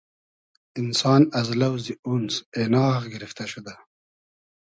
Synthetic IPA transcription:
ɪnsɑːnazlawzd̪iunsenɑːxɡɪɾɪft̪aʃud̪a

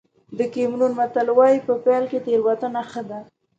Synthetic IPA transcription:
d̪əkemnunmat̪alwɑjipəpalket̪eɾwat̪ənaxəd̪a

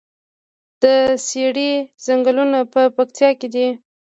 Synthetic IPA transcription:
d̪̥əseɽizaŋɡəlunapəpakt̪ʰjɑked̪i

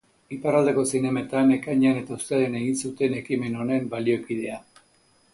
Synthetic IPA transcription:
iparald̪e̞ko̞sine̞maet̪ane̞kajɲane̞t̪aust̪eðene̞ɣinsut̪e̞ne̞kime̞no̞ne̞mbalio̞kið̞e̞a

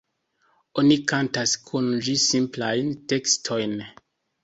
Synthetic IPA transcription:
onikantaskʰund͡ʒisimplajnte̞kstʰo̞jn

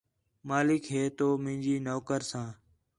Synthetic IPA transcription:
maːlɪkɦeːt̪oːmɪ̃ːd͡ʒiːnoːkəɾsãː

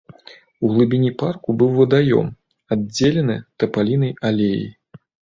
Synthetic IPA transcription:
uɣlˠɨbʲinʲiparkubɨwvɐd̪ajɔ̰m | ad͡zʲelʲɛnɨt̪ɐpalʲin̪ɐjalʲejḭ

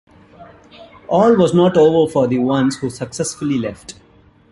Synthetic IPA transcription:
ʔɔːlʋɔznɔːʈoːʋəɾfɔɾd̪iʋʌ̃nzhuːsəksɛsfʊlilɛfʈ

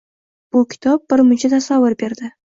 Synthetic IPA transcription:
b̥ʊkʲʰɪ̥t̪ʰɒb̚ːɪɾmʊnt͡ʃʰat̪ʰasavːʊɾbe̞ɾd̪ɪ

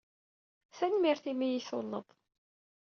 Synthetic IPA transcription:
θænmiɾθimijiθʊlːə̰ðˤ

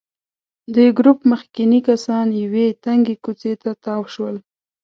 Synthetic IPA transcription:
d̪əɡɾupməxkinikasɑnjawet̪aŋɡekut͡set̪at̪ɑwʃwəl

